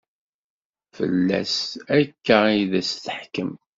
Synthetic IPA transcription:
fə̰lːæ̰sækːæiðæsθəħkəm

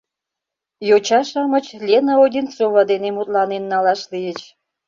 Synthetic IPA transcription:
jot͡ɕɑʃɑmə̆t͡ɕlʲenəodʲint͡soβɑd̪enemut̪lɑnenːɑlɑʃlijət͡ɕ

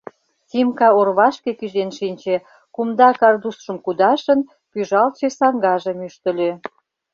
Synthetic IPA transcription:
sʲimkɑorβɑʃkekyʒenʃinʲt͡ɕe | kumd̪ɑkɑrd̪usʃə̆mkud̪ɑʃə̆n | pyʒɑlt͡ɕesɑŋɡɑʒə̆myʃt̪ə̆lʲø

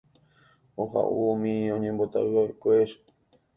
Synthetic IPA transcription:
oɦa̰ʔuomĩõɲẽmbot̪a̰wɨoekʷeʃ

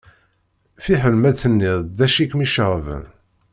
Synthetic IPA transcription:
fiħəlmæðθənːiðˤd̪æʃikmiʃʁvə̰n

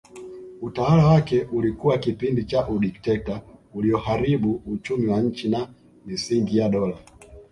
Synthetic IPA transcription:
utawalawakɛʔulikuwakipindit͡ʃaʔuɗiktɛtauliɔhaɾiɓuut͡ʃumiwaɲ̩t͡ʃina | misiŋɡijaɗɔla

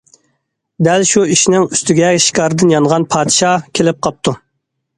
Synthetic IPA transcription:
d̪ælʃuiʃinɪŋyst̪yɡʲɛʃi̥kʰɑɾɨd̪ɨnjɑnʁɑnpʰɑːd̪ʃɑkʲʰelɪp̚qʰɑp̚t̪ʰu

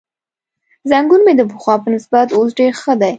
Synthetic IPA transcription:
zaŋɡunmed̪əpəxwɑpənɪsbat̪osɖeɾxəd̪aj

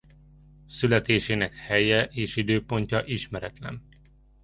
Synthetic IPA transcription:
sylɛt̪eːʃeːnɛkhɛjɛʔeːʃid̪øːpo̞ɲcɒʔiʃmɛɾɛt̪lɛ̰n

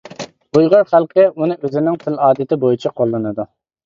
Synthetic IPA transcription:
bujʁɑɾχælˠqəunɨøzɪnɪŋt̪ʰɪlɑːd̪ɪt̪ɪbojit͡ʃʰɛqʰolˠːɨnɨd̪u

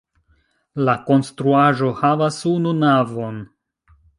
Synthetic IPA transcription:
lako̞nstɾuaʒo̞havasununavo̞n

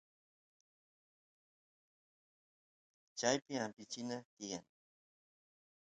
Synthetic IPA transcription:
t͡ʃajpɪampɪt͡ʃɪnat̪ɪja̰ŋ

